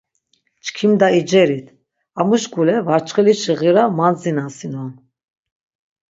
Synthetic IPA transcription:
t͡ʃkʰimd̪aid͡ʒɛɾit̪ʰ | amuʃɡulɛvaɾt͡ʃχɛliʃiʁiɾamand͡zinasinɔn

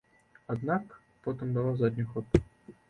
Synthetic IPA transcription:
ad̪nak | pɔt̪ɨmbɨlˠawzad̪ʲnʲixɔt̪

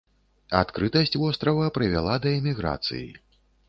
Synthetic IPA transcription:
at̪kɾɨt̪ɐsʲt͡sʲvɔst̪ɾɐvɐpɾɨvʲa̰lˠad̪ɐɛmʲiɣɾa̰t̪sɨ̰jḭ

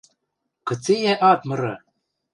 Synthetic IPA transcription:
kɤ̆t͡sejæʔɑt̪̚mɤ̆ɾɤ

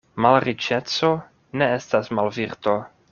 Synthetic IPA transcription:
malɾit͡ʃet͡so̞ | ne̞estasmalviɾt̪o

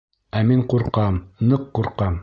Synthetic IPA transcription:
æmiɴquɾqɑmnɤqːuɾqɑm

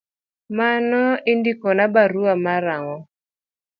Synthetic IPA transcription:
manɔɪndikɔnabaɾuamaɾaŋɔ

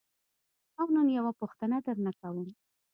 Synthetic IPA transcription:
awnənjawapuxt̪ənad̪əɾnakawəm

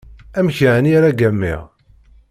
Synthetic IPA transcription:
æmçænjaɾaɡæmːḭʁ

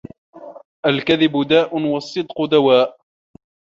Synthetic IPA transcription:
ʔalkaðɪbʊd̪aːʔʊnwɑsˤːɨd̪qʊd̪awaːʔ

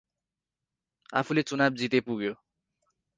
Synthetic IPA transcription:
a̰pʰulet͡sunab̚d͡zit̪epuɡjo

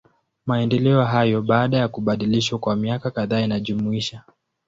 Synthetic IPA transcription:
maɛndɛlɛɔɦajɔɓaːɗajakuɓaɗiliʃwakwamiakakaðaːinaʄumuiʃa

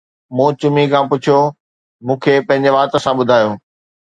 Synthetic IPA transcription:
mũːt͡ɕʊmikʰãpʊt͡ɕʰijo | mũːkʰepɐ̃ɦɪ̃ɲd͡ʑeʋaːt̪ə̆sãɓʊd̪ʱaːjoː

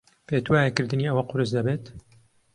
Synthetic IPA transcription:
peːt̪waːjɛkɨɾd̪ɨniːɐwɐqʊɾɨsd̪ɐbeːt̪

